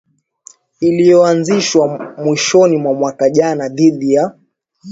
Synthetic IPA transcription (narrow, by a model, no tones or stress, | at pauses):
ilijɔanziʃwamwiʃɔnimwamwakaʄanaðiɗija